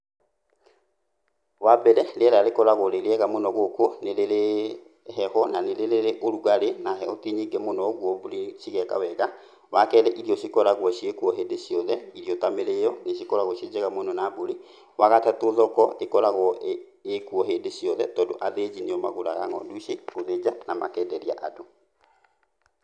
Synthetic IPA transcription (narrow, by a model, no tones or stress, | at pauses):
wabɛɾɛlɛɾalekɔɾaɣoɾeɾeɛɣamonɔɣokoneɾeɾe | ɦɛhɔnaneleɾeɾeʔoɾuɣaɾenaɦɛotiɲiɡɛmonɔɣwɔboliʃiɣɛka̰wɛɣa | wakɛðɛʔiɾiɔɕikɔɾaɣwɔʃiekuɔɦedeʃiɔðɛiɾijɔtameɾejɔneʃikɔɾaɣɔʃed͡ʒɛɣamonɔnaboɾi | waɣatatoðɔkɔekɔɾaɣɔ | ekuɔɦeːndeʃijɔðɛtɔdo̰ʔaðed͡ʒineɔma̰ɣoɾa̰ɣa̰ŋɔ̰nduʃeoðed͡ʒanama̰kɛdɛɾia̰ʔado